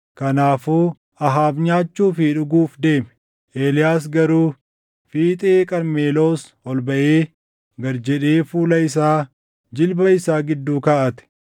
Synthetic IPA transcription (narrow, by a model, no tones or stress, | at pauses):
kɐnaːfuː | ɐɦaːbɲaːt͡ʃːuːfiːᶑʊɡuːfd̪e̞ːmɛ̥ | ʔeːlɪjaːs̬ɡɐɾuː | fiːt̪ʼeːkʼɐɾmeːlo̞ːs | ɔlbɐʔeː | ɡɐɾd͡ʒɛᶑeːfuːlɐɪs̬aː | d͡ʒɪlbɐɪsaːɡɪd̪ːuːkɐʔɐt̪ɛ̥